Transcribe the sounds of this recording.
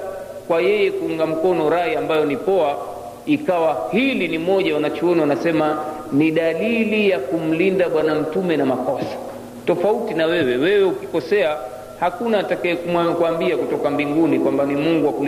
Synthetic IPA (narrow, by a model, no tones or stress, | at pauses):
kwajɛjɛkuuŋɡam̩kɔnɔɾaiambajɔnipɔa | ikawahilinimɔʄawanat͡ʃɔɔnawanasɛma | niɗalilijakum̩lindaɓwanam̩tumɛnamakɔsḁ | tɔfautinawɛwɛwɛwɛukikɔsɛa | hakunaːtakaɛkuakuambiakutɔkambiŋɡunikwambanimuŋɡuwakul